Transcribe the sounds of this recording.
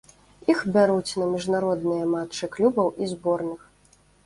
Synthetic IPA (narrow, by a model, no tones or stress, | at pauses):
ixbʲaɾut͡sʲnɐmʲiʐnaɾɔd̪nɨjɐmatt͡ʂɨklʲubɐwʔizbɔrnɨx